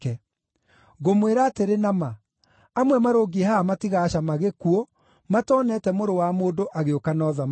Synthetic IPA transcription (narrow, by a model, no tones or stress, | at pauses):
ɛ | ɣomweɾaːteɾenama | amwɛmaɾoːɡiehamatiɣaːʃamaɣekuo | matɔːnɛtɛmoɾowamoːndoʔaɣeokanɔðam